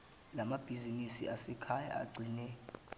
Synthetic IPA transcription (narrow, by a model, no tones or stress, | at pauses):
lamab̥ʱizinisḭʔasɛkʰaja̰a̰ɡ͡ǀʱinɛ